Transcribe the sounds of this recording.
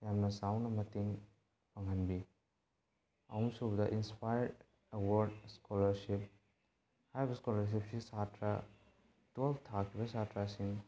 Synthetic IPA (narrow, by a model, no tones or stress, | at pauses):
jamnɐsawnɐmɐtiŋ | pʰɐŋɦɐnbi | ɐwumsubɐdɐʔinspajɾd | ewoɾdskolɐɾsip̚ | haɾibɐskolɐɾs̬ip̚sisatɾa | toltʰakʰːibɐsatɾasiŋ